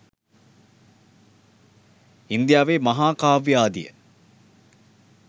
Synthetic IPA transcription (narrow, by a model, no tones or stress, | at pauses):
ind̪ijaːʋeːmɐɦaːkaːʋjaːd̪ḭjə̰